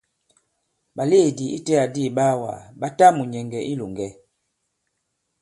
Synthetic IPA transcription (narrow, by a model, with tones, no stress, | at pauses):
ɓa˨le˦˨di˨i˦tɛ˦a˨di˦˨ɓa˦wa̰˨ɓa˦ta˦mu˨ɲɛ˨ŋɡɛ˨ʔi˦lo˨ŋɡɛ˦